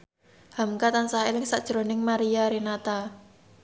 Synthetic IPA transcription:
hamkat̪ansaɦelɪŋsaʔd̥ʒ̥əɾonɪŋmaɾijaɾenat̪a

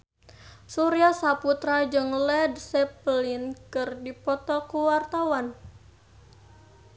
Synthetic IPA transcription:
suɾiasaput̪ɾad͡ʒɨŋlɛdsɛplinkɨrdipɔt̪ɔkuwart̪awan

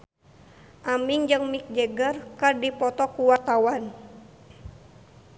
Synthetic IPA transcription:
ʔamiŋd͡ʒɨŋmik̚d͡ʒɛɡərkərdipɔt̪ɔkuwart̪awan

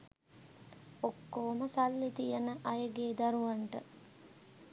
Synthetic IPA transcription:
okːoːməsalːit̪ijənəʔajəɡeːd̪aɾuʋaɳʈə̰

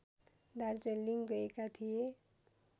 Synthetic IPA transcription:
d̪aɾd͡zelːiŋɡʌekat̪ʰije

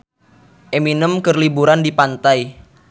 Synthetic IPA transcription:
ʔeminəmkərlibuɾandipant̪aj

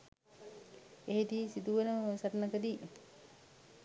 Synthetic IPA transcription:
eɦed̪iːsid̪uʋənəsaʈnəkəd̪i

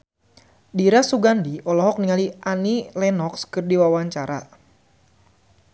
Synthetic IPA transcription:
diɾasuɡandiʔɔlɔɦɔk̚niŋaliʔanilɛnɔkskɨrdiwawaɲt͡ʃaɾa̰

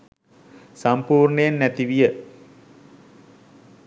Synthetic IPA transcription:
sampuːrɳəjanːæt̪iʋijə

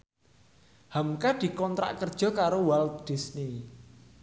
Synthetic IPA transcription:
hamkad̪̥i̤kɔnt̪ɾa̰ʔkərd̥ʒ̥ɔ̤kaɾowald̪̥i̤sni

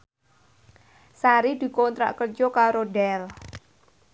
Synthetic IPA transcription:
saɾid̪̥i̤kɔnt̪ɾa̰ʔkərd͡ʒɔkaɾoɖɛl

